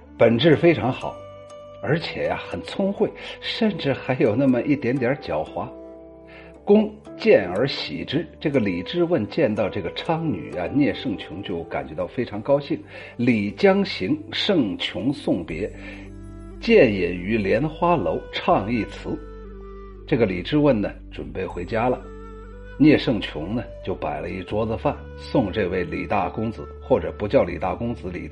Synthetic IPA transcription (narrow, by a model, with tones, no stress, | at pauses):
pə˨˩nʈ͡ʂɻ̩˥˩fe˥ɪʈ͡ʂʰɑ˧˥ŋxɑ̰˨˩˦ʊ | ə˞˧˥t͡ɕʰjɛ̰˨˩ja̰˧xə˨˩nt͡sʰʊ˥ŋxwe˥˩ɪʂə˥˧nʈ͡ʂɻ̩˥˩xa˧˥ɪjo˨˩ʊna˥˩mə˨ʔi˥˩t̪jɛ˧˥nt̪jə˞˧˥t͡ɕjɑ˨˩ʊxwa˧˥ | kʊ˥ŋ | t͡ɕjɛ˥˩nə˞˧˥ɕḭ˨˩ʈ͡ʂɻ̩˥ʈ͡ʂɤ˥˩ɡə˩li˨˩ʈ͡ʂɻ̩˥˧wə˥˧nt͡ɕjɛ˥˧nt̪ɑ˥˧ʊʈ͡ʂɤ˥˩ɡə˩ʈ͡ʂʰɑ˥ŋny̰˨˩a̰˧njɛ˥˧ʂɤ˥˩ŋt͡ɕʰjʊ˧˥ŋt͡ɕjo˥˩ʊka̰˨˩nt͡ɕɥɛ˧˥t̪ɑ˥˩ʊfe˥ɪʈ͡ʂʰɑ˧˥ŋkɑ˥ʊɕi˥˩ŋ | li˨˩t͡ɕjɑ˥ŋɕi˧˥ŋʂɤ˥˩ŋt͡ɕʰjʊ˧˥ŋsʊ˥˩ŋpjɛ˧˥ | t͡ɕjɛ˥˩njɛ˨˩ny˧˥ljɛ˧˥nxwa˥lo˧˥ʊʈ͡ʂʰɑ˥˧ŋi˥˩t͡sʰɹ̩˧˥ | ʈ͡ʂɤ˥˩ɡə˩li˨˩ʈ͡ʂɻ̩˥˧wə˥˩nnə˩ʈ͡ʂwə˨˩npe˥˩ɪxwe˧˥ɪt͡ɕja˥lə˨ | njɛ˥˧ʂɤ˥˩ŋt͡ɕʰjʊ˧˥ŋnə˨t͡ɕjo˥˩ʊpa˨˩ɪlə̰˦i˥˩ʈ͡ʂwɔ˥t͡sɹ̩˧fa˥˩n | sʊ˥˧ŋʈ͡ʂɤ˥˧we˥˩ɪlḭ˨˩t̪a˥˩kʊ˥ŋd͡zɹ̩˧˦xwɔ˥˩ʈ͡ʂɤ˨˩pu˧˥t͡ɕjɑ˥˩ʊlḭ˨˩t̪a̰˥˩kʊ˥ŋt͡sɹ̩˧˥lḭ˨˩